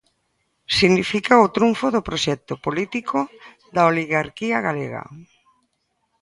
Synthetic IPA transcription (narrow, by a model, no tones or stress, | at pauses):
siɣnifikaʊt̪ɾuɱfʊðʊpɾoʃɛk̚t̪opolit̪ikʰo | ðaoliɣaɾkiɐɣaleɣa̰